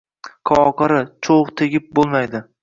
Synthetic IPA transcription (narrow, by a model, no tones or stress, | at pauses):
kʰɒɒqɑɾɪt͡ʃʰoʁt̪ʰeɡʲɪp̚bolˠmajd̪ɪ